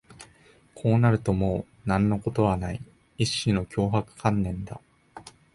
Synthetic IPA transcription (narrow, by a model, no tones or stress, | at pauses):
kʰo̞ːnaɾɯ̟t̪o̞moː | nãnːo̞ko̞t̪o̞β̞anai | iɕino̞kʲo̞ːɦakɯ̟̥kʰãnːẽ̞nd̪a